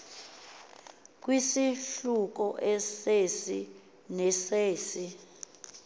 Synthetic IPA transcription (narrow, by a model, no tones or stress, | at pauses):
k̬ʼwisiɬuk̬ɔʔɛsesi | nɛseːsi